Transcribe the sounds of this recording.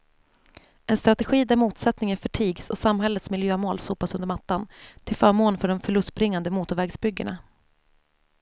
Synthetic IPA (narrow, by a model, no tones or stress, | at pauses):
ʔɛnst̪ɾat̪ɛɧiːd̪æɾmuːt̪sɛt̪nɪŋənfœʈʰiːɡsɔ̰samɦɛlːət̪smɪljøːmoːlsuːpasɵnd̪əɾmat̪ːant̪ʰɪlfœːɾmoːnfœɖɔmfœɭɵst̪̚bɾɪŋːand̪əmuːt̪ʊɾvɛːɡsbʏɡːəɳa